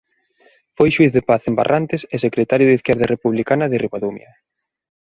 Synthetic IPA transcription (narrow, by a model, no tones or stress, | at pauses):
fojʃwiθðepaθemba̰rʔant̪ɪsesekɾet̪aɾjʊðiθkɛɾðɐrʔepuβlikanɐðɪriβoðumjɐ̰